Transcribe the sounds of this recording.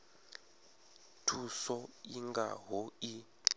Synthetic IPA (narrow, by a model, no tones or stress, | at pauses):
tʰusɔiŋɡa̰ɦoi